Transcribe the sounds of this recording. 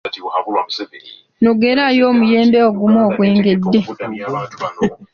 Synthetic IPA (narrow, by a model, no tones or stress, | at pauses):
nuɡeɾajoːmuje̞ːmbeoɡumoːkweːŋɡedːe̞